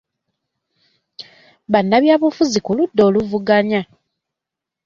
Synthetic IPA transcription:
βanːaβjaːβufuzikuludːo̞ːluvuɡaɲa

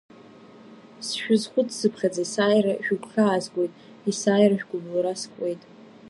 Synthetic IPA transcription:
sʃᶣʊzχʷʊdʰsɨpʰχʲad͡zasaːjraʃᶣʊkʷʰχaːzɡʷo̞jtʼ | isaːjraʒᶣɡʷʊmluɾaskʷʼe̞jtʼ

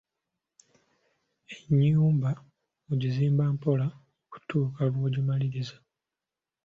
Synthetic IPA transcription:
eɲːuːmba | muɟiziːmbampo̞la | ku̥tuːkalwoːɟimaliɾiza

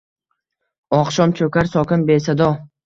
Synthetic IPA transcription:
ɒqʃɒmt͡ʃʰɵkʲaɾsɒkʲɪnbesad̪ɒ

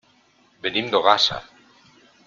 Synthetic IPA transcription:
benĩmd̪oɣasa̰

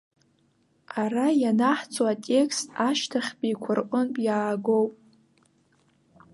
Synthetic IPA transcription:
arajanaħt͡sʰʼoatʲʼe̞kʰstʰʼaʃtʰaχʲpʼijkʷʰʊrqʷʼʊnpʼjaːɡo̞wpʼ

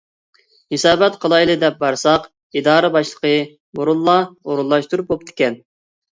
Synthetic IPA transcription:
hisɑːbɛt̪qʰəlˠɑjlˠɨd̪ɛp̚bɑɾsɑq | id̪ɑːɾɨbɑʃlˠə̥qʰə | buɾulˠːɑoɾulˠːɑʃt̪uɾup̚bop̚t̪ʰɪ̥kʲɛn

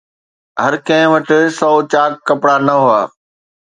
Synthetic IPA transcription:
ɦɐɾkɐ̃ɦɪ̃ʋɐʈɪ̆sɔːt͡ɕaːkːɐpɽanɐɦʊa̰ː

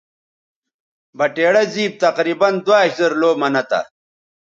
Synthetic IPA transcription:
bɐʈeːɽɐziːb̚t̪ɐqɾiːbɐnd̪waːizɐɾloːmɐnɐt̪ɐ̰

